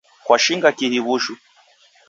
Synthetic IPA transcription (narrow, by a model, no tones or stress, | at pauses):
kwaʃiŋɡakihiβuʃu